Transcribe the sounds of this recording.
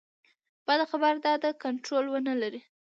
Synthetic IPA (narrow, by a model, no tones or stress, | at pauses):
b̥ad̪axabaɾd̪ɑd̪əkanʈɾolwənəlaɾi